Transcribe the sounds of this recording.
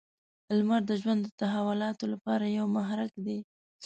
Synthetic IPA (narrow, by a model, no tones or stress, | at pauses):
lmaɾd̪əʒwand̪ət̪aɦawʊlɑt̪olapɑɾajawmaɦɾakd̪e